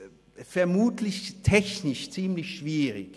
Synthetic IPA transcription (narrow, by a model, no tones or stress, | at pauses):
fɛɐmuːtʰlɪçtʰɛçnɪʃt͡siːmlɪçʃv̥iːʁɪ̰k